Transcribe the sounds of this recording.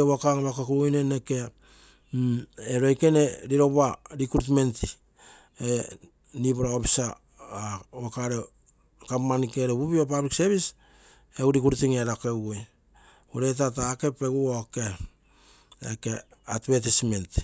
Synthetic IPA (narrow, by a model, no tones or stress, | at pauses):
eβakaŋβakakuɾujneneke̞ | eɾojke̞ne̞ɾiɾo̞βaɾikɾuɾut̬me̞nti | e | nipuɾaopi̥sa | wokaɾe | kamanikeɾeβuβiop̬abɾikseβis | eɡuɾikuɾtiŋeɾakewoj | oɾet̬ataːke̞pe̞ɡuoke | ḛkeatbetisme̞nt